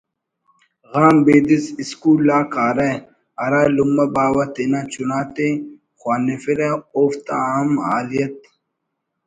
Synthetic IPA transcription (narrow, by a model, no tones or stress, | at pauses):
ɣaːmbeːd̪isiskuːlːaːkaːɾɐ | ɐɾaːlumɐbaːwɐt̪enat͡ɕunaːt̪e | xwaːnefiɾɐoːft̪aaːmaːlijɐt̪̚